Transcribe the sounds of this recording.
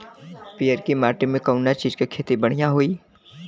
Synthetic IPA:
pijəɾkimaːʈimẽkɐʊnat͡ʃiːd͡ʒkekʰeːt̪ibəɽ̤ijãɦoːiː

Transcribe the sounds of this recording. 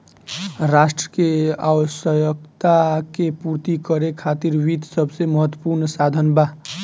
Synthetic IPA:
ɾasʈɾəkea̰wsəjəkt̪akepuɾt̪ikəɾekʰat̪iɾʋid̪səbʱseməɦət̪ːwəpuɾnsad̪ʱənba

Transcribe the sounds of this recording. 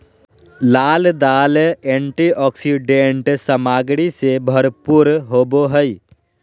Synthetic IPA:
laːld̪aːlẽɳʈiʔɔːksiɖẽɳʈsəmaːɡɽisebʱəɾpuɾɦoːboɦəi

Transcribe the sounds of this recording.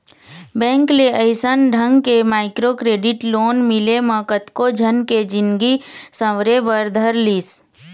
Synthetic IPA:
bɛ̃ːŋkleəɪsənɖʱə̃ŋɡkemaːɪkɾokɾeːɖɪʈloːnmɪleməːkət̪kod͡ʒʱənked͡ʒɪnɡisə̃wɾebəɾd̪ʱəɾliːs

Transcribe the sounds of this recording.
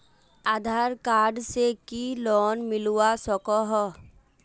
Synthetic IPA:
ad̪ʱaːɾkaːɖsekilɔːnmɪluwasɔkɔɦɔ

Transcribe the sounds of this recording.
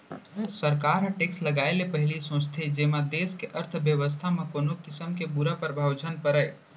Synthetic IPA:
səɾkaːɾɦəʈeːksləɡaːelepəɦɪlisõːst̪ʰed͡ʒeːmad̪eːskeʔəɾt̪ʰbjəʋəs̬t̪ʰamẽkoːnokɪsəmkebuɾapəɾbʱawd͡ʒənpəɾəj

